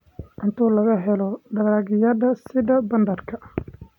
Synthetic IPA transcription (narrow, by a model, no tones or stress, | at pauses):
ʔɪnt̪ʰuːlɐɣɐɦɛlɔɖɐɣaːɣɪjɐðɐsɪðɐbɐnd̪ɐrkʰɐ